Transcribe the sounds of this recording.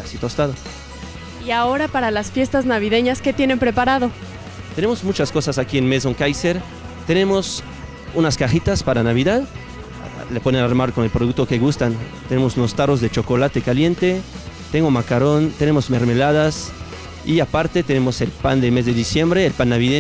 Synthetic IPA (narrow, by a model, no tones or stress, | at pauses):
asit̪ost̪aðo | iao̞ɾapaɾalasfje̞st̪aznaβiðe̞ɲaske̞t̪jene̞mpɾe̞paɾað̞o̞ | t̪e̞nemo̞zmut͡ʃasko̞sasakienme̞s̬oŋkajseɾ | t̪e̞ne̞mo̞s | unaskaxit̪aspaɾanaβ̞iðað | lepo̞ðenaɾmaɾko̞ne̞lpɾoðuk̚t̪o̞keɣust̪ant̪ene̞mosuno̞st̪aro̞zðet͡ʃo̞ko̞lat̪ekalje̞nt̪e̞ | t̪eŋɡomakaɾo̞nt̪e̞ne̞mo̞zme̞ɾme̞laðas | iapaɾt̪e̞t̪enemo̞se̞lpand̪eme̞zðeðisje̞mbɾeːlpanːaβiðe